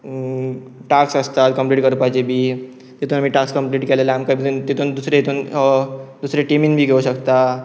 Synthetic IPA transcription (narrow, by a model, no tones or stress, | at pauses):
ʈaksəst̪at̪kəmpliʈkəɾpat͡ɕebʱiː | t̪et̪uːnamiːʈakskəmpliːʈkelelaamkabid̪unt̪et̪und̪usɾeet̪ʰun | d̪usɾeʈeminbʱiːɡʱeuɕəkt̪a